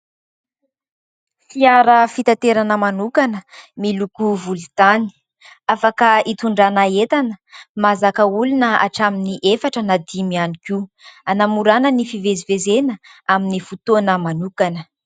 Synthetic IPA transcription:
fiaɾəfit̪at̪eɾanəmanukanəmilukuvult̪ani̥ | afakəit̪uɳɖ͡ʐanaet̪anəmazakəulunəa̰ʈ͡ʂaminiʔefaʈ͡ʂənad̪imianikianamuɾanənifivezivezenəaminifut̪onəmanukanə

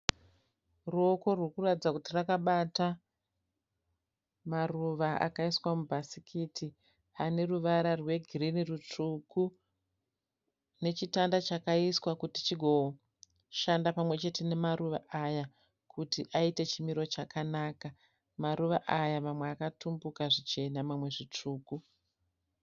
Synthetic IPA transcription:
ruoko̞rwurkuratid͡zakutirakaɓata | maruʋaa̰kaiswamubʱasikʰiti | ane̞ruʋaɾarwe̞ɡʱirinirutuku | ne̞t͡ʃitandat͡ʃakaiswakutit͡ʃiɡʱo̞ | ʃandapamwe̞t͡ʃe̞te̞ne̞maɾuʋa̰ʔaja | kutiʔaite̞t͡ʃimiɾo̞t͡ʃakanaːka | maɾuʋaʔajamamweakatumbukaʐit͡ʃe̞namamwe̞ʐit͡ʂuːku

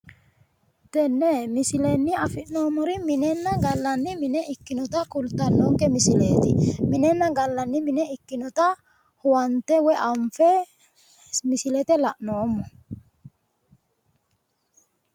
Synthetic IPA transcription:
t̪ɛnːɛmɪsɪlɛnːɪɐfɪʔnoːmɔɾɪmɪnɛnːɐɡɐlːɐnːɪmɪnɛɪkːɪnɔt̪akʊlt̪ɐnːɔŋkɛmɪsɪleːt̪ɪmɪnɛnːɐɡɐlːɐnːɪmɪnɛɪkːɪnɔt̪a | hʊwɐnt̪ɛwɛʔɐɱfɛ | mɪsɪlɛt̪ɛlɐʔnoːmːɔ

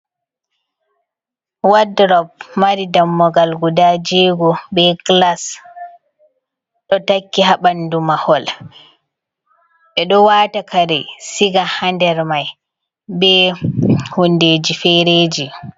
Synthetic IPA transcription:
wadɾɔb̚maɾidamːɔɡalɡudad͡ʒiɡɔbɛklas | ɗɔtakːiɦaɓandumahɔl | ɓɛɗɔwaːtakʰaɾɛsiɡahandɛɾmaj | bɛ | hundeːd͡ʒifɛɾeːd͡ʒi

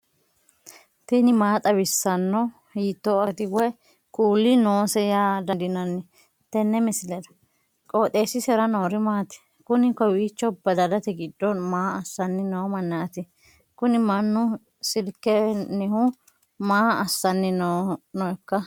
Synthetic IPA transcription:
t̪ɛnɪmaːt̪ʼɐbɪsːɐnːɔ | hiːt̪ːɔɐt̪ɪɡɔjɛ | kʼuːlːɪnoːsɛjaːd̪ɐd̪ɪnɐnːɛ | t̪ɛnːɛmɪsɪlɛd̪ɐ̥ | kʼoːt̪ʼe̞ːsɪsɛɾɐnoːɾɪmaːt̪ɛ̥ | kʊnɪkɔwiːt͡ʃːɔbɐd̪ɐdɐt̪ɛɡɪdːɔmaːɐsːɐnːɪnɔmɐnːɐɐt̪ɪ | kʊnɪmɐnːʊ | sɪlkːɛnːɛhʊ | maːɐsːɐnːɪnnɔɛkːɐ

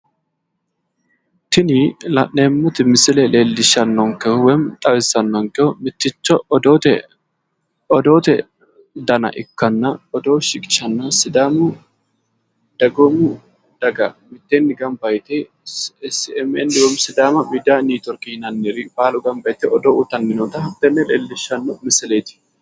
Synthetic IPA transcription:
t̪ɪnilɐ̰nːeːmːʊt̪ɪmɪsɪleleːlːɪʃɐnːɔŋkɛhʊwɛmt̪ʼɐwɪsɐnːɔŋkɛhʊmɪt̪ːɪt͡ʃːɐd̪oːt̪ɛ | ɔd̪oːt̪ɛ | d̪ɐnɐ̰ʔɪ̰kːɐnːɐɔd̪oːʃɪkʼɪ̥ʃɐnːɐsɪd̪aːmu | d̪̥ɐɡomu | d̪̥ɐɡɐmɪt̪ːeːnːɪɡɐmbɐjt̪eː | sɛmɛnd̪ɪɡɔmsɪd̪aːmɐmid̪aːniːt̪ɔɾkinɐnːɪɾifaːlʊɡɐmbɐjt̪eʔɔd̪oːʔut̪ɐnːɪnoːt̪ɐhɐt̪ːɛnːɛleːlːɪʃːɐnːomɪsɪleːt̪ɪ̥

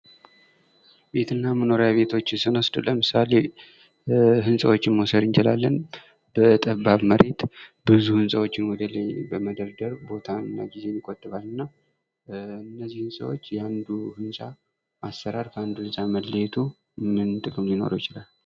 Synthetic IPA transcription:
be̞t̪ʰɨnːaməno̞ɾjaβe̞t̪ʰo̞t͡ʃːɪsɨnosd̪ləmɨsale̞ | ɦɨnsʼəwo̞t͡ʃːɪnmosəd̪ɨnt͡ʃɪlalːən | bət̪ʼəβːaβməɾe̞t̪bɨzuhɨnsʼəwot͡ʃːɪnwɔd̪ələjbəməd̪əɾd̪əɾbo̞t̪ʰanːa̰ɡize̞nːikʼot̪ʼːɨβalːɨnːa | ɨnːəzːihɨnsʼə̰wo̞̰t͡ʃːjɛand̪uhɨnsʼa | ʔasːəɾaɾkʰəand̪ulɨsʼaməlːəjt̪ʰu | mɨnt̪ʼɨkʼɨmjɪno̞̰ɾojt͡ʃɪlal

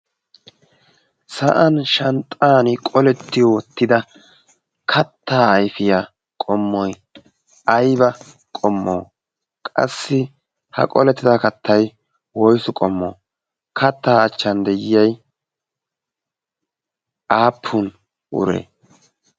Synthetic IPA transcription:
sɐʔɐnʃɐnt̪ʼaːnɪkʼɔlɛt̪ːɪjwɔt̪ːɪd̪ɐ | kʰɐt̪ːaːjfɪjaː | kʼɔmːɔj | ɐjbɐ | kʼɔmːo̰ː | kʼɐ̰sːɪ | hɐ̰kʼɔ̰lɛt̪ːɪd̪akɐt̪ʰːɐj | wɔjsʊkʼɔmːo̰ː | kʰɐt̪ːaːt͡ʃːɐnd̪ɛjɪjɐj | ʔaːpʰːʊn | ʔʊ̰ɾḛː

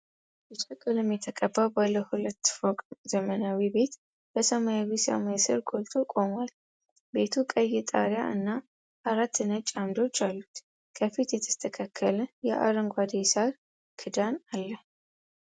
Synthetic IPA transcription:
bɛt͡ʃʼəkʼɨlɨmjɛt̪ʰəkʼəbːawbalːəhulət̪ːfokʼzəmənawibe̞t̪ | b̥əsəmajawisə̰majsɨ̰ɾɡʼolt̪ʰukʼo̞mwal | be̞t̪ʰukʼəjɛt̪ʼa̰ɾja̰ʔɨ̰nːa | ʔaɾat̪ːɨnət͡ʃʼamd̪o̞t͡ʃːalːut̪ | kʰəfit̪jɛt̪ʰə̥st̪ʰəkʰakʰːələjɛʔa̰ɾɨŋɡʷad̪esa | kʰɨd̪analːə

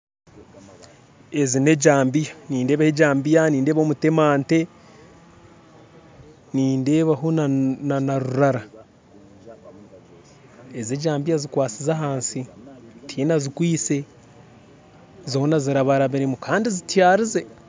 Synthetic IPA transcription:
ezine̞ɟaːmbijaniːnde̞ːβaheɟaːmbijaniːnde̞ːβomute̞maːnte̞ | niːnde̞ːβaɦonnanaɾuɾaɾa | ezeɟaːmbijazikwaːt͡sizaɦaːnsitʰiːnazikwiːse̞ | zoonaziɾaβaɾaβiɾimukaːndizitjaːɾize̞

